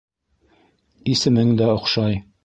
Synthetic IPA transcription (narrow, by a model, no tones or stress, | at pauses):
isɘ̆mɘŋd̪æŏqʃɑj